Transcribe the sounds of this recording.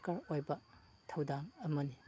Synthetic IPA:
kaɾojbɐ | tʰawdaŋɐmɐni

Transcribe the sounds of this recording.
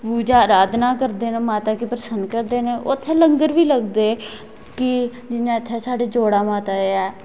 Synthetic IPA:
puːd͡ʒaːəɾaːd̪naːkəɾd̪eːneːmaːt̪aːkiːpɾəsənd̪kəɾd̪eːnẽːʔot̪ʰːeːləŋɡəɾʋiːləɡd̪eː | kɪ | d͡ʒɪnãːɪt̪ʰːɛːsaːɖeːd͡ʒoːɽaːmaːt̪aːeːaː

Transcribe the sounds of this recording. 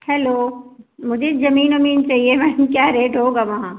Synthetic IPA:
hɛːloːmʊd͡ʒʱezɐmiːnɐmiːnt͡ʃaːɦiemɛːnkjaːɾeːʈɦoːɡaʋɐɦãː

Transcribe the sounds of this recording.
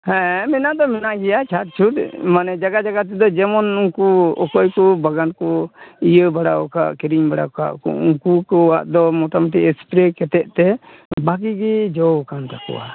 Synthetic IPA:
hɛ̃mɛnaʔd̪ɔmɛnaʔɡɛjat͡ʃʰat̪̚t͡ʃʰud̪manɛd͡ʒaɡad͡ʒaɡat̪̬ɛd̪ɔd͡ʒɛmɔnuŋkuɔkɔjkɔbaɡankɔijəbaɽaɔka̰ʔkiɾiɲbaɽaka̰ʔkɔ̰uŋkukɔwaʔd̪ɔmɔʈamaʈ̬iɛspɾɛkɛt̪ɛʔ̪̚t̪ɛ | baɡiɡɛd͡ʒɔkant̪akɔ̰wa̰

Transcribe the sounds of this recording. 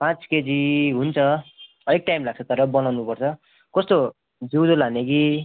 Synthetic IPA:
pãt͡sked͡ziɦunt͡sʰʌ | ʌɾek̚ʈajmlaɡ̚t͡sʰʌt̪ʌɾʌbʌnawnupʌrt͡sʰʌ | kʌst̪o | d͡zud̪olaneki

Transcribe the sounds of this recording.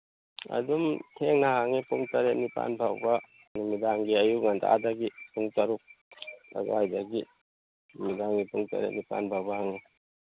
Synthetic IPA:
ɐ̰dumtʰeŋnɐhaŋipuŋtɐɾetnipa̰npʰawbɐ | numidaŋɡiɐjuŋanda̰a̰daɡipuŋtɐɾuk̚lɐ̰ɡajdaɡi | numidaŋɡipuŋta̰ɾḛtnipa̰npʰawbɐhaŋi

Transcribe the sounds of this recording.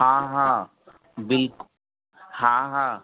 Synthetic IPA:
hãːɦã | bɪlk | hãːɦãː

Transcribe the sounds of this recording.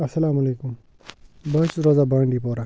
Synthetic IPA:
ɐsɐlaːmɐleːkum | bɐɦt͡sɾozabɐɳɖipoːɾa

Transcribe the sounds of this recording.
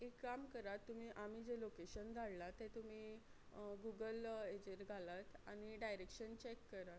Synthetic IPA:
ekːamkəɾat̪ːum̤iːʔam̤id͡ʑelokeɕənd̪ʱaɭlat̪ɛt̪um̤iː | ɡuɡəled͡ʑeɾɡʱalat̪a̰ñiɖajɾekɕənt͡ɕekːəɾat

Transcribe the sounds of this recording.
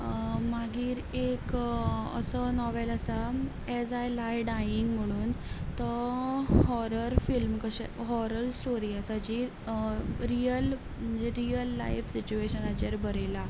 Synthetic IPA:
maɡiːɾekə̰sənɔʋeləsa | ɛd͡zajlajɖajiŋɡm̤əɽ̃uːn | t̪ɔ | hɔɾəɾfilmkəɕɛ̰ɦɔɾəlsʈoɾiːəsad͡ʑi | ɾijəl | d͡ʑeɾiəlːa̰jfsit͡ɕueɕənat͡ɕeɾbəɾela

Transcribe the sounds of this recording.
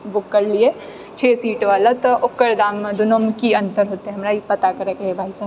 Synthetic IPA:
bʊkːɐɾlie | t͡ʃʰeːsiːʈʋaːlat̪ɐʔʊkːəɾd̪aːmːẽd̪ʊnomkiɐ̃nt̪əɾɦoːt̪iɦɛ̃ɦɐmɾaipɐt̪akɐɾekɐɦebʱaːisaː

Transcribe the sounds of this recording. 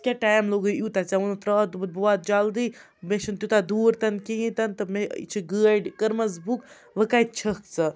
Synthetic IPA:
kʲaʈaːjmloːɡɨjut̪at͡saunt̪ɾɐːt̪bɐt̪̚buat̪̚d͡ʒald̪iː | meʃɐnt̪jut̪ad̪uːɾt̪ɐnkiĩt̪ɐnt̪ɨmḛt͡ʃʰiɡəɖkəɾmɐzbuk | ʋəkaj̪̚t͡ʃʰɐk̚t͡sɐ

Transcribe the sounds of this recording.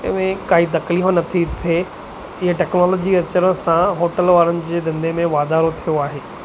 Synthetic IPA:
ɪ̰ʋẽkaːit̪̬ɐkliːnɐt̪ʰit̪ʰe | ɪɦeʈɛːknɔːlɔːd͡ʑiɐt͡ɕəɾə̃sãɦoːʈəlʋaːɾənɪ̆d͡ʑeːd̪ɐ̃nd̪ʱemẽʋaːd̪aːɾot̪ʰijoaːɦeː

